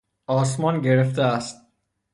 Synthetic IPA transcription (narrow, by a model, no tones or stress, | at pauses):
ɒːs̬mɒːnɟe̞ɾeft̪eæst̪̚